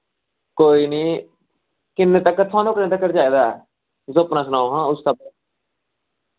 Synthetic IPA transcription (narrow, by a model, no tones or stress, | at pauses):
koːiːniː | kɪnːeːt̪əkːət̪ʰãːd̪õːkɪnẽːt̪əkːəɾd͡ʒaːiːd̪aːɛ̰ː | zopnãːsʊnaːoɦãːʊst̪əb